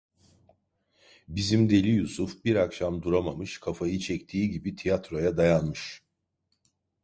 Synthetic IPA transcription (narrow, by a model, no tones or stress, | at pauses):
bizimd̪e̞lʲijusufbiɾakʃamd̪uɾamamɯʃkʰafajɯt͡ʃʰɛct̪ʰiːɟibit̪ʰijat̪ɾo̞jad̪ajanmɯʃ